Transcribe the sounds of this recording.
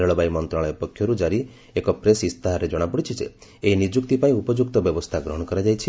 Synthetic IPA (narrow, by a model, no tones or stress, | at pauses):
eɭɔbajmɔnt̪ɾaɭɔjɔpɔkʰjɔɾud͡ʒaɾi | ekɔpɾesist̪aɦaɾed͡ʒɔɽ̃apɔɽit͡ʃʰid͡ʒḛeinid͡ʒukt̪ipaĩupɔd͡ʒuk̚t̪ɔbjɔbɔst̪ʰaɡɾɔɦɔ̃ɽ̃ɔkɔɾad͡ʒajt͡ʃʰi